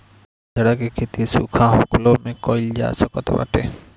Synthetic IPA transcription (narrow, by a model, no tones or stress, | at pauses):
d͡ʒeɽakekʰet̪isṵkʰaɦoklomekɔjld͡ʑa̰sakɔt̪ḛba̰ʈʰḛ